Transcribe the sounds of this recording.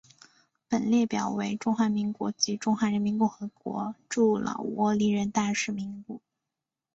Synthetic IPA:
pə˨˩nljɛ˥˩pjɑ˨˩ʊwe˧˥ɪʈ͡ʂʊ˥ŋxwa˧˥mi˧˥ŋkwɔ̰˧˥t͡ɕi˧˥ʈ͡ʂʊ˥ŋxwa˧˥ɻə˧˥nmi˧˥nkʊ˥˩ŋxɤ˧˥kwɔ̰˧˥ʈ͡ʂu˥˩lɑ̰˨˩ʊwɔ˧˥li˧˥ɻə˧˥nt̪a˥˧ʂɻ̩˥˩mi˧˥ŋpu˥˩

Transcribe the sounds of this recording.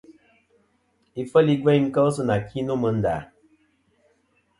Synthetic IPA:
i˨fə˦li˦ɡwɛ˦ŋ̩˦kə˦s̬ɨ˦na˨kʰi˦no˦mɨ˨n̩˦da̰˨

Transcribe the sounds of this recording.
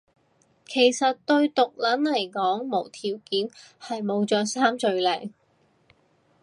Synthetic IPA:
kʰe˨˩jsɐ˨t̚t̪ɵ˧ɥt̪ʊ˨k̚lɐ˨˥nlɐ˨˩jkɔː˨˥ŋmo˨˩wt̪ʰiː˨˩wkiː˨˥nhɐ˨jmo˨˧wt͡ʃœː˨˧saː˥mt͡sɵ˨ɥlɛː˨˩ŋ

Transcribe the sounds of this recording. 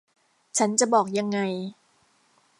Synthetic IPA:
t͡ɕʰa˦˥nt͡ɕa˨˩bɔː˨˩k̚ja˧ŋːa˧j

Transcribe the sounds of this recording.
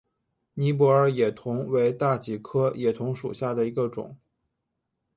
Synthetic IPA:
ni˧˥p̬wɔ˧˥ə˞˨˩jɛ˨˩t̪ʰʊ˧˥ŋwe˧˥ɪt̪a˥˩t͡ɕi˧˥˩kʰɤ˥jɛ˨˩t̪ʰʊ˧˥ŋʂṵ˨˩ɕja˥˩d̪ə˩i˧˥ɡə˧ʈ͡ʂʊ̰˨˩˦ŋ

